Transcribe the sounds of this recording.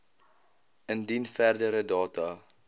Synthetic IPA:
əndinfærdəɾədɑːtɑ

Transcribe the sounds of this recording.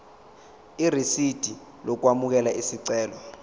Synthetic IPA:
irisid̥ʱi | lɔk̬wamuk̬ɛlaʔisiǀɛːlɔ

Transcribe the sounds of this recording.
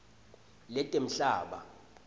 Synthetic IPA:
lɛtʼem̩ɬaːɓa̰

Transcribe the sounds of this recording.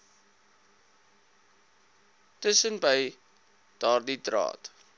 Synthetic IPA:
təsənbəj | d̥ɑːrditrɑ̰ːt

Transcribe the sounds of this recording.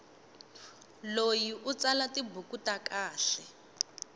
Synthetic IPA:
lojiʔut͡salatibʱukutakaːɬɛ

